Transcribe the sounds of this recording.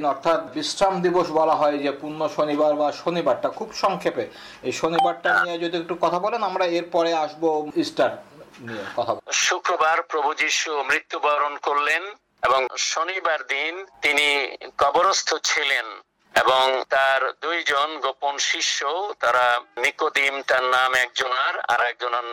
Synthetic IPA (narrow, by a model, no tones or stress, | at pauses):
nɔɾt̪ʰat̪bisɾamd̪iboʃbɔlaɦɔed͡ʑepunːoʃonibaɾbaʃonibaɾʈakʰubʃɔŋkʰepe | ejʃonibaɾʈaniad͡ʑod̪iek̚ʈukɔt̪ʰabɔlenamɾaeɾpɔɾeaʃboisʈaɾniekɔt̪ʰabɔʃukɾobaɾpɾobʱud͡ʑiʃumɾit̪ːubaɾonkoɾlen | eboŋʃonibaɾd̪int̪inikɔboɾost̪ʰot͡ɕʰilen | eboŋt̪aɾd̪ujd͡ʑonɡoponʃiʃːot̪aɾanikod̪imʈaɾnamɛk̚d͡ʑonaɾa̰ɾɛk̚d͡ʑona